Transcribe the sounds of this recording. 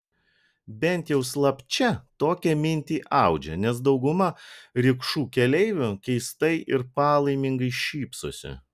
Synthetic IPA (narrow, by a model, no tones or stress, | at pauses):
bʲɛnʲt̪jɛʊslˠɐpʲt͡ʃʲɛt̪oːkʲɛmʲɪnʲt̪ʲiːʔɑˑʊd͡ʒʲɛ̰nʲɛs̬d̪ɒʊɡʊmɐɾʲɪkʃuːkʲɛlʲɛɪʋʲʊkʲɛɪst̪ɐɪʔɪɾpɑːlˠɐɪmʲɪŋɡɐɪʃʲiːpsosʲɪ̰